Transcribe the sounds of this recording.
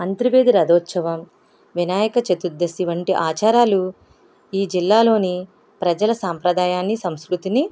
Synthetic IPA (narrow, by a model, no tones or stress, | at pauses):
ɐnt̪ɾiʋeːd̪iɾɐd̪ɔːt̪ːsɐʋɐm | ʋinaːjɐkɐt͡ʃet̪ud̪ːɐsiʋɐɳʈiʔaːt͡ʃaːɾaːlu | iːd͡ʒilːaːlo̞ːni | pɾɐd͡ʒɐlɐsaːmpɾɐd̪aːjaːnːisɐmskɾut̪ini